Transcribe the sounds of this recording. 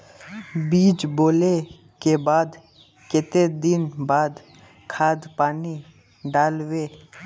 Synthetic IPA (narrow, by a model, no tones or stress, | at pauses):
biːt͡ʃboːle | kebaːd̪ | kɪt̪ed̪ɪnbaːd̪ | kʰaːd̪paːni | ɖaːlweː